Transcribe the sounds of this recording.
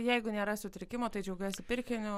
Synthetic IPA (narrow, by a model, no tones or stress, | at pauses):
jɛɪɡʊnʲeːɾɐsʲʊt̪ʲɾʲɪkʲɪmoːt̪ɐɪd͡ʒʲɛʊɡʲuːsʲɪpʲɪɾʲkʲɪnʲʊ